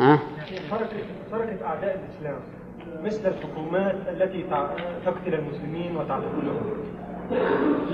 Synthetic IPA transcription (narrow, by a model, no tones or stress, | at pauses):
jaʕnit̪ɑɾˤɑkat̪ɑɾˤɑkat̪ʔaʕd̪aːʔɪlʔɪslæːm | mɪslɪlħʊkuːmaːt̪ʔalːæt̪it̪t̪ʊkt̪ɪlɪlmʊslɪmiːnwɪt̪aʕt̪ɪbuːlʊhʊm